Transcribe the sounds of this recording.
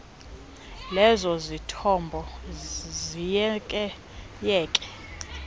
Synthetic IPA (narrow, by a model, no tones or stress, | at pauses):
lɛzɔzitʰɔmbʱɔ | zikʼ | jɛːkʼɛ̥